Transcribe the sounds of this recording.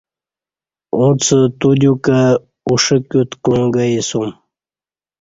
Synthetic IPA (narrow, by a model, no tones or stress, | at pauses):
ũt͡sət̪ud̪ʲuka | uʂəkʲut̪kluŋɡajisum